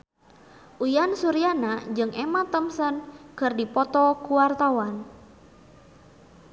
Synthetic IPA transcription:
ʔujansuɾianad͡ʒɨŋʔɛmat̪əmsənkərdipɔt̪ɔkuwart̪awan

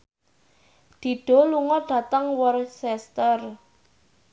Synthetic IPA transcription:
d̪̥i̤ɖ̥ɔ̤luŋɔɖ̥ä̤t̪əŋwərsɛst̪ər

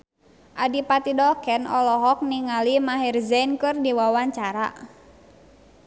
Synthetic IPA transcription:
ʔadipat̪idɔkɛnɔlɔɦɔk̚niŋalimaɦirzɛnkɨrdiwawaɲt͡ʃaɾa̰

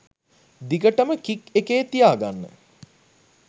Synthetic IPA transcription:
d̪iɡəʈəməkikekeːt̪ijaːɡanːə̰

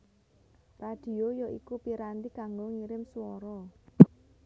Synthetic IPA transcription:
rad̥i̤ojɔʔikupiɾant̪iɡaŋɡɔŋiɾɪmsuwɔɾɔ

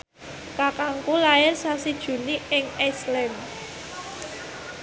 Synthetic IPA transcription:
kakaŋkulaɪrsasid̥ʒ̥ṳniɪŋɛslɛm

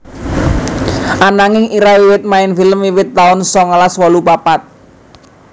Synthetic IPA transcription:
ʔanaŋɪŋiɾawiwɪt̪̚maɪnfiləmiwɪt̪ːaʊnsɔŋəlaswɔlupapat̪̚

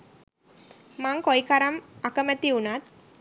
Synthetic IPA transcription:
maŋkoikaɾɐmakəmət̪iunat̪̚

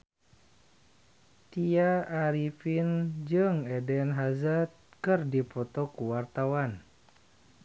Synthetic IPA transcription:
t̪iaaɾifind͡ʒɨŋɛdɛnɦazat̪̚kɨrdipɔt̪ɔkuwart̪awan

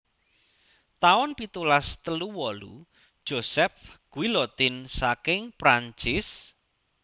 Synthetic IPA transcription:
t̪aʊnpit̪ulast̪əluwɔlṵ | d̥ʒ̥osɛfɡ̥uwilɔt̪insakɪŋpɾaɲt͡ʃɪs

